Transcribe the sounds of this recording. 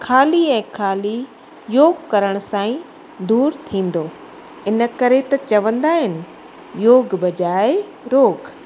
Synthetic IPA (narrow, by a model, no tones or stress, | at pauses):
kʰaːliɛ̃ːkʰaːli | joːɡkɐɾəɽ̃ʊsãːĩ | d̪uːɾt̪ʰĩːn̆d̪oː | ɪnə̆kɐɾet̪ɐt͡ɕɐʋə̃nd̪aːɦɪnɪ̆ | joːɡbɐd͡ʑaːe | ɾoːk